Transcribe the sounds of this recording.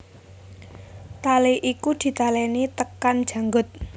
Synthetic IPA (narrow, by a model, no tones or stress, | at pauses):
t̪aleʔikud̪̥i̤t̪alɛnit̪əkand̥ʒ̥ä̤ŋɡʊt̪̚